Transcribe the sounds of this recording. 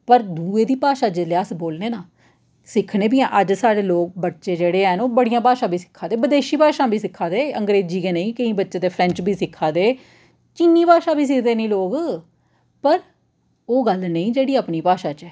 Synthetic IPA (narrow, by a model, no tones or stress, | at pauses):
pəɾd̪uːeːd̪iːpaːʃaːd͡ʒɪleaːsboːlneːnaː | sɪkʰneːbijãːʔəd͡ʒsaːɽeːloːk̚bəʈːʃeːd͡ʒeːɽeːənoːbəɽijãːpaːʃãːbʱiːsɪ̥kʰːãːd̪eːbəd̪eːʃiːpaːʃãːbʱiːsɪkʰːaːd̪eːəŋɡɾeːd͡ʒiːkeːnəĩːkəĩːbətːʃeːt̪eːpʰɾɛ̃ɲt͡ʃbʱiːsɪkʰːaːd̪eː | t͡ʃinːiːpaːʃaːbʱiːs̬ɪkʰd̪eːnĩːloːɡ | pəɾ | oːɡəlnəĩːd͡ʒeːɽiːapniːpaːʃaːt͡ʃɛː